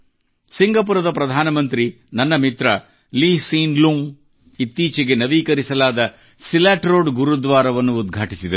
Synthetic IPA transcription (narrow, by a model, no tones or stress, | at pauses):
siŋɡʱɐpuɾɐd̪ɐpɾɐd̪ʱaːnɐmɐnt̪ɾi | nɐnːɐmit̪ɾɐ | liːsiːnluŋ | it̪ːiːt͡ʃɛɡe̞nɐʋiːkɐɾisɐlaːd̪ɐ | silaːʈɾo̞ːɖɡuɾud̪ʋaːɾɐʋɐnːuːd̪ɡʱaːʈisid̪ɐ